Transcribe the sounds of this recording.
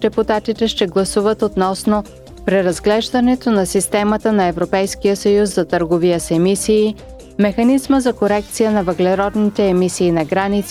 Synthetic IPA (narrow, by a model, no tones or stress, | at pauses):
d̪ɛput̪at̪it̪ɛʃt̪ɛɡlˠɐsuvət̪ot̪nɔsno | pɾɛɾɐzɡlɛʒd̪ɐnɛt̪onɐsist̪ɛmət̪ənɐɛvɾopɛjskijəsɐjusːɐt̪əɾɡovijəsɛmisiː | mɛxɐnizməzɐkoɾɛk̚t̪sijənɐvəɡlɛɾɔd̪nit̪ɛːmisiːnɐɡɾanit̪s